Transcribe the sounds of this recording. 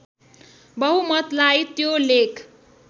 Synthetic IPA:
bʌɦumʌt̪lajt̪jolekʰ

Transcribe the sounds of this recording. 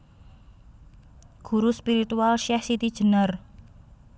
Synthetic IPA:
ɡ̥uɾuspiɾit̪ualʃɛhsit̪id̥ʒ̥ə̤nər

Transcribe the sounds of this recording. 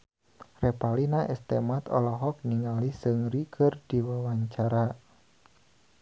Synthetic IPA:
repalinaʔɛst̪emat̪ɔ̰lɔɦɔk̚niŋalisɨŋrikʰərdiwawaɲt͡ʃaɾa

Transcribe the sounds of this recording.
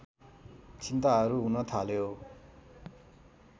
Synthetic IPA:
t͡sʰint̪aɦʌɾuɦunʌt̪ʰaljo

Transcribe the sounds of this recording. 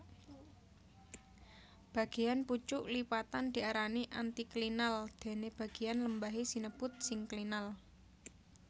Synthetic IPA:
b̥ä̤ɡ̥ejanput͡ʃʊʔlipat̪and̪̥i̤aɾaniʔa̰nt̪iklinald̪̥e̤neb̥ä̤ɡ̥ejanləmbaɦisinəb̥ʊt̪̚sɪŋklinal

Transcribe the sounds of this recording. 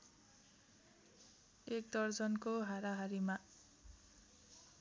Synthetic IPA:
ek̚d̪ʌrd͡zʌnkoɦaɾaɦaɾima

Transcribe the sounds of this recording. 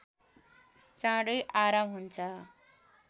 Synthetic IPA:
t͡sãɽʌjʔaɾamɦunt͡sʰʌ

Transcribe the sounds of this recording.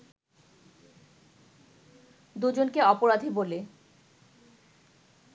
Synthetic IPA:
d̪ud͡ʑonkeɔpoɾad̪ʱibole

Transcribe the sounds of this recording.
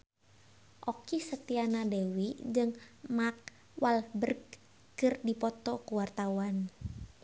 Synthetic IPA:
ʔɔkisət̪ianadewid͡ʒɨŋmak̚ | wʔalhbərɡ | kɨrdipɔt̪ɔkuwart̪auan

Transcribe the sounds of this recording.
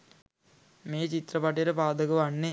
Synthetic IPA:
meːt͡ɕit̪rɐpɐʈɐjɾepaːd̪ʱɐɣɐʋɐɳːe

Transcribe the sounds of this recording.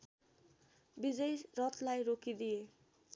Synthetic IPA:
bid͡zʌjrʌt̪ʰlajɾokid̪ije

